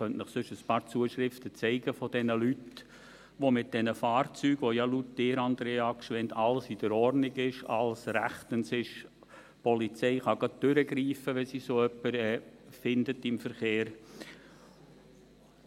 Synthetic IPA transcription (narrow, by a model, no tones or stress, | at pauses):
χœntnəχsʏʃəspɑːɾt͡suəʃɾɪftət͡sɛɪɡəfod̥ɛnəlyt | ʋomɪt̚d̥ɛnəfɑːɾt͡syːɡ̥ʋojɑlut̚dɪːɾɑnd̪ɾeɑkʃʋɛntʰɑlsid̥əɾɔɾnɪɡɪʃɑ̰lsɾæχt̪ənsɪʃ | pɔlit͡sɛɪχɑɡ̥ɑd̚d̥øɾəɡɾiːfəʋɛnsisoːœpːəɾɛːfɪndətɪmfəɾχeːɾ